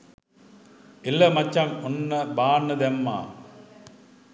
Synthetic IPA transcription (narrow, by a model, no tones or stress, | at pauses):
ɪlːɐmɐt͡ʃːamʊnːɐbaːnɐd̪emːa̰ː